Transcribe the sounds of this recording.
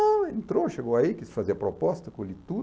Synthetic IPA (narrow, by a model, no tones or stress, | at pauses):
ɐẽnt̪ɾoʃeɡowɐikisfaziɐpɾopɔst̪ɐkũlit̪u